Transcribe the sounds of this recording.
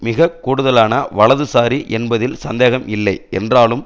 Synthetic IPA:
mɪɣɐkːuːɽɯðɐlaːnɐʋɐɭɐðɯsaːɾiʔɛnbɐðɪlsɐnd̪eːɣɐmɪlːɐɪɛ̰ndraːlɯm

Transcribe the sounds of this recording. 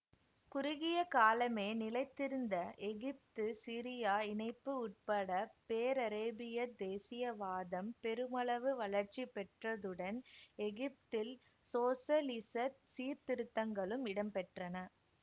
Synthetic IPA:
kʊɾʊɣɪjɐkaːlɐmeːnɪlɐɪt̪ːɪɾɯnd̪ɐʔɛɣɪp̚t̪ɯsiɾɪjaːɪnɐɪpːɯʊʈ̚pɐɽɐpeːɾɐɾeːbɪjɐd̪eːsɪjɐʋaːðɐmpɛɾɯmɐɭɐʋɯʋɐɭɐɾt͡ʃipɛʈrɐðɯɽɐnɛɣɪp̚t̪ɪl | soːsɐlɪsɐt̪siːɾt̪ɪɾɯt̪ːɐŋɡɐɭɯmɪɽɐmpɛʈrɐnɐ

